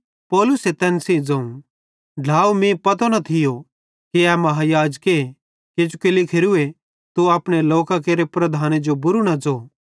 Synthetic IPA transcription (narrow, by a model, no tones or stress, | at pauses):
pɔːlʊset̪ɛːnsĩd͡zɐũ | ɖʱaːumẽpɐt̪̬onɐt̪ʰɪjo | kiɛmɐɦajaːd͡ʒke | ked͡ʒukelikʰeɾue | t̪uaːpɽ̃eloːkakeːɾepɾɐd̪ʱaːned͡ʒobʊɾunad͡zoː